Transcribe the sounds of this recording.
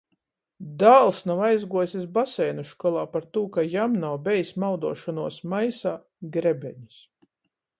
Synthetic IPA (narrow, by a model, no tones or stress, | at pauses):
d̪aːlˠsnawajzɡuɔsʲis̬basɛjnuʃkɔlˠaːpaɾt̪uːkajamnawbʲɛjsmawd̪ṵɔʃɔnuɔsmajsaː | ɡɾɛbʲɛ̰ɲu̥s